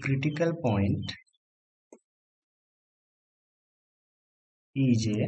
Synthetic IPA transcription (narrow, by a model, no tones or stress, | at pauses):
kɾiʈikəlpɔɪɳʈ | id͡ʒe